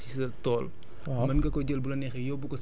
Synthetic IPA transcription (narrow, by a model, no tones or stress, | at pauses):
sisɐtɔːl | mɐnɡɐkɔɟəlbulɐnɛxɛjɔbukɔs